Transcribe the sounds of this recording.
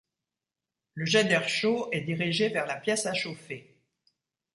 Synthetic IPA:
ləʒɛd̪ɛʁʃoɛd̪iʁiʒevɛʁlapjɛsaʃofe

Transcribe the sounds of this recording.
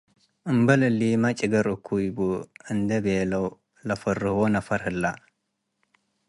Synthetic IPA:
ʔɨmbɐlɨlːimat͡ʃʼɪɡɐɾukʰːujbuɨnd̪ɐbeːlɐw | lɐfɐrːɨhonɐfɐɾhɨlːa

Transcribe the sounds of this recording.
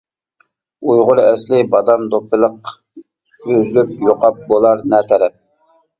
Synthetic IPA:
ujʁʊɾɛslɪbɑd̪ɑmd̪opɨlˠəq | øzlyk̚ʲjoqɑp̚bolˠɑɾnɛt̪ʰɛɾɛp̚

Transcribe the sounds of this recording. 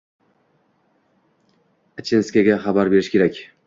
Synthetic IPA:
at͡ʃʰenskʲaɡʲaχabaɾbe̞ɾɪʃkʲe̞ɾakʲ

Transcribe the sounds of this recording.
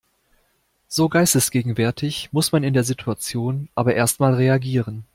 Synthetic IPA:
z̥oːɡaɪstəsɡ̥eːɡŋ̩vɛɐtʰɪçmʊsmanɪndeːɐzitʰuat͡sjoːnʔaːbɐʔeːɐstmaːlʁeaɡiːʁ̞ən

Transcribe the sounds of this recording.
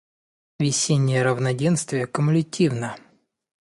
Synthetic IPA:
vʲɪsʲenʲːɪjəɾəvnɐdʲenst̪vʲɪjəkəmʊlʲɪtʲivnə

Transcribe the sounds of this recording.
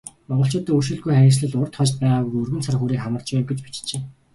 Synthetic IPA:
mɔʁɞ̆ɬt͡ɕʊːt̪iːuʃ̬ɵ̆ɮɡujχæɾʲɪ̆ːsɮə̆ɮʊrt̪χɔt͡ɕt̪̚pæːʁaːɣujɵrɣɘ̆nt͡sʰarxuːɾiːkχamə̆rt͡ɕpæːwɡet͡ɕpit͡ɕt͡ɕeː

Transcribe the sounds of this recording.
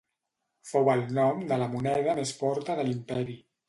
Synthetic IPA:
fowəlˠnɔmd̪ələmunɛð̞əmesfɔɾt̪əðəlimpɛɾi

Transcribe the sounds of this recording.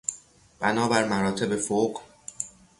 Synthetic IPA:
b̥ænɒːbæɾmæɾɒːt̪ʰe̞befoːq

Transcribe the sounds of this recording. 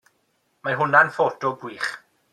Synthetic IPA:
maɦʊnanfoːdɔbwiːχ

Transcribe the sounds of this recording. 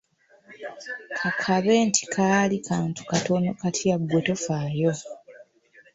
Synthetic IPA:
kʰakʰaβeːntʰi̥kʰaːlikʰaːntu̥kato̞no̞katʰjaɡːweto̞faːjo̞

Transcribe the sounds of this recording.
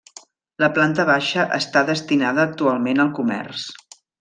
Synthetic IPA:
ləplant̪əβ̞aʃəʔəst̪aðəst̪inaðəːk̚t̪ualˠmenəlˠkumɛ̰rs

